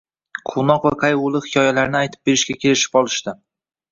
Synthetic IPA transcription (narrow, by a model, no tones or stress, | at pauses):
qʰonɒqvaqʰajolˠɪχɪkʰʲɒjalaɾnɪajt̪ʰɪ̥p̚be̞ɾɪʃkʲakʲe̞lɪʃɪ̥pɒlˠɪʃt̪ɪ